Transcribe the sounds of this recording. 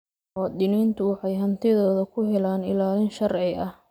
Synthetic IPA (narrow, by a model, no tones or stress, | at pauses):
wɑd̪ɪniːnt̪ʰʊwɑħɑjɦɐnt̪ʰɪðɔːðɐkʰʊɦɛlaːnɪ̰laːlɪnʃɐrʕɪɐh